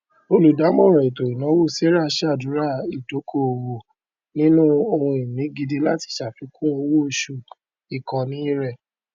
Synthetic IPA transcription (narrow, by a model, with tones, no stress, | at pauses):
o˧lu˨da˨˦mɔ̃˦˨ɾɔ˨i˨to˨i˨nã˨˦wo˦˨se˦ɾa˦˨˧ʃa˦˨dũ˨˦ɾa˦i˨to˨˦kʰo˦˨o˨wo˨ | nĩ˦nũ˦o˧hũ˧i˨mĩ˨˦ɡi˧di˧la˦ti̥˦˨ʃa˨fi˨˦kʰũ˦o˧wo˦˧˨ʃu˨ | i˨kɔ̃˨nĩ˨˦i˦ɾɛ˦˨